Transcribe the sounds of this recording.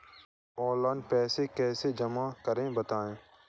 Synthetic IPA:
ɔːlaːnpɛːsekɛːsed͡ʒəmakəɾẽbət̪aːẽː

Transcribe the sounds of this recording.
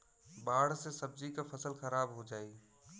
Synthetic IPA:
baːɽ̤sesəb̚d͡ʒikapʰəsəlxəɾaːbɦod͡ʒaːi

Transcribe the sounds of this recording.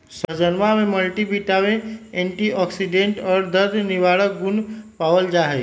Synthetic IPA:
səd͡ʒənmameməlʈibiʈawẽeɳʈiɔksiɖeɳʈɔːɾd̪əɾd̪niʋaɽək̚ɡunpawəld͡ʒaɦɛ

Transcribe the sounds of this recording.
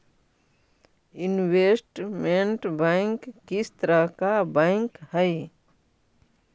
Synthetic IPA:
inwesʈmeɳʈbəŋkːist̪ɾəkabə̃ŋkhəj

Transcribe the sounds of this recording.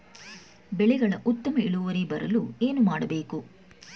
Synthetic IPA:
bɛɭɛɡɐɭɐʔut̪ːɐmɐiɭuʋɐɾibɐɾɐlue̞ːnumaːɽɐbeːku

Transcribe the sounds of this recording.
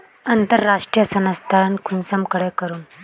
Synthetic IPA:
ənt̪əɾːaʂʈɾijəsənəst̪ʰaɾankʰunsəmkəɽekəɾuːn

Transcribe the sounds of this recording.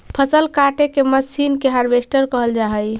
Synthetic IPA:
pʰəsəlkaʈekeməsinkeɦaɾbesʈəɾkəɦəld͡ʒaɦəj

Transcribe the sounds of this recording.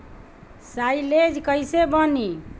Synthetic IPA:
sajled͡ʒkəjsebəni

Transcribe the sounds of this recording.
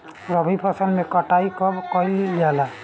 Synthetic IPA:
ɾɔbʱipʰɔsɔnmɛkɔʈajkɔkɔjllala

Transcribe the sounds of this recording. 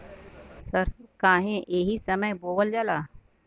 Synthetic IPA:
sɐɾskaːɦẽʔeːɦisɐməjboːʋəld͡ʒalaː

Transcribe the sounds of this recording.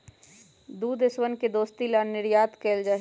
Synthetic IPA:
d̪uːd̪ɪswənked̪oːst̪ilanɪɾjaːt̪keːld͡ʒaɦ

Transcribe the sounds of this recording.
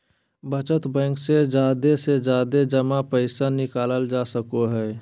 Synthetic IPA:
bət͡ʃət̪bɛ̃ːŋksed͡ʒaːd̪esed͡ʒaːd̪ed͡ʒəmapəɪsanɪkaːləld͡ʒaːsəkoɦɛː

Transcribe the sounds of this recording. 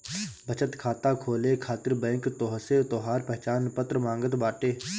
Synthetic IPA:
bət͡ʃət̪kʰaːt̪akʰoːlekʰaːt̪ɪɾbɛ̃ːŋkt̪ɔːɦset̪ɔːɦaːɾpɛɦt͡ʃaːnpət̪ɾəmãːŋɡət̪baːʈeː

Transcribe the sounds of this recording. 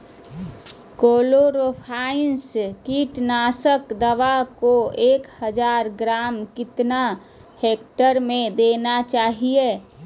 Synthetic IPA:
koːloɾopʰaːɪnskiːʈnaːsəkd̪əʋakoeːkhəd͡ʒaːɾɡɾaːmkɪt̪na | heːkʈəɾmẽd̪eːnat͡ʃaːɦieː

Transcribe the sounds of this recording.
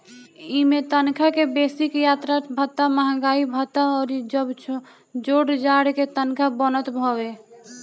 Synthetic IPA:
imet̪ənkʰakebesikjat̪ɾabʱət̪ːaməɦãɡaibʱət̪ːaɔːɾid͡ʒəbt͡ʃʰ | d͡ʒoɽd͡ʒaɽket̪ənkʰabənət̪bʱɔbe

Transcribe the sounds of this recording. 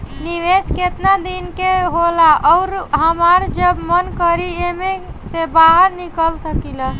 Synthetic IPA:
niʋesket̪nad̪inkeɦolaʔɔɾɦəmaɾd͡ʒəbmənkəɾieme | sebaɦəɾnikəlsəkilə

